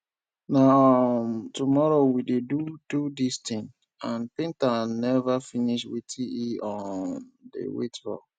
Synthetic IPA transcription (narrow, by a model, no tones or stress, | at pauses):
namtumɔɹowidedududistĩŋ | ãnpẽntanɛvafiniʃwitʰiiɔ̃ndḛwḛtbɔ̰